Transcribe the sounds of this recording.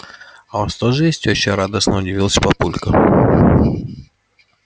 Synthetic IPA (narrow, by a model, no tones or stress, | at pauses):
avast̪oʐɨjesʲtʲot͡ɕːeɾad̪əsnəʊdʲɪvʲilˠsʲə̥pɐpulʲkə